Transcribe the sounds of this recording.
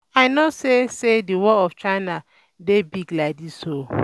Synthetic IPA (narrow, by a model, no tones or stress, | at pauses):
aɪnosesediwɔɔft͡ʃaɪna | debiɡlaɪk̚diso